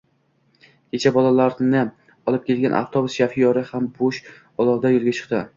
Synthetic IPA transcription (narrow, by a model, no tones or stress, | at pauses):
kʲʰe̞t͡ʃʰabɒlalaɾnɪ | ɒlˠɪp̚kʲʰe̞lɡʲanʔa̰ft̪ʰobʊsʃafɪjɒɾɪhamboʃ | ɒlˠɒwd̪ajolˠɡʲat͡ʃʰɨ̥qt̪ɪ